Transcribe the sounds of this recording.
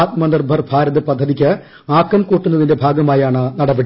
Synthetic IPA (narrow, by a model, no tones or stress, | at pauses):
t̪̚mɐnd̪ɐrbʱɐrbʱaːɾɐðɨpɐd̪ʱːɐðikʲːɨ | aːkːɐmkuːʈːunːɐðinde̞bʱaːɡɐmaːjaːɳɨnɐɽɐbeɽi